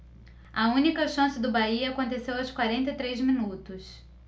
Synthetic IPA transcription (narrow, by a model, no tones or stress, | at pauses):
ɐũnikɐʃɐ̃sɪd̪ʊbaiɐakõt̪esewɐwskwaɾẽnt̪ɐit̪ɾezmĩnut̪ʊs